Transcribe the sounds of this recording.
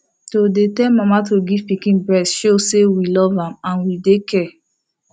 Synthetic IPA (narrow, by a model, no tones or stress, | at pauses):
todetɛlmamatoɡiv̥pikĩnbɹɛtsʃosewilɔvãmãnwidekɛ